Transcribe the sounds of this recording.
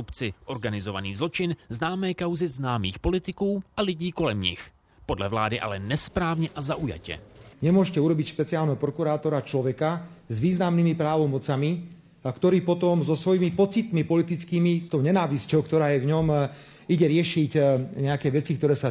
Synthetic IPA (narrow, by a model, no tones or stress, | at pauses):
upt͡sɪʔoɾɡanɪzova̰niːzlɔt͡ʃɪnznaːmɛːkawzɪznaːmḭːxpo̞lɪt̪ɪkuːʔalɪɟiːkolɛmɲɪ̰x | podlɛvla̰ːdɪʔa̰lɛnɛspɾaːvɲɛʔazaʔuja̰cɛ̰ɲɛmʊɔʃcɛuɾɔbicʃpɛt͡siaːlnɛɦɔpɾɔkuɾaːt̪ɔɾat͡ʃlɔʋɛkazʋiːznamnimipɾaːʋɔmɔt͡sami | kt̪ɔɾiːpɔt̪ɔmzɔsʋɔjimipɔt͡sit̪mipɔlit̪it͡skiːmist̪ɔʊɲɛnaːʋiscɔʊk̚t̪ɔɾaːjɛvɲɔm | iɟɛɾɪɛʃicɲɛakɛːʋɛt͡sik̚t̪ɔɾɛːsa